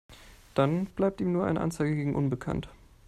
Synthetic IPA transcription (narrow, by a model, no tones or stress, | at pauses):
d̥anb̥laɪp̚tiːmnuːɐʔa̰ɪnə̰ʔa̰nt͡saɪɡəɡeːɡŋ̩ʔʊnbəkʰa̰nt